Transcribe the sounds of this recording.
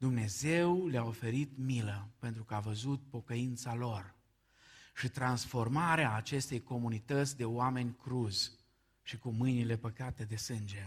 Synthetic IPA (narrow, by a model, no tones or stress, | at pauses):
d̪umne̞ze̞wleao̞fe̞ɾit̪miləpe̞nt̪ɾukəavəzut̪̚po̞kəint̪salo̞r | ʃit̪ɾansfo̞rmaɾeaːt͡ʃe̞st̪e̞jko̞munit̪ət̪sʲd̪e̞oame̞nʲkɾuzʲ | ʃikumɨjnile̞pəkat̪e̞d̪e̞sɨnd͡ʒe̞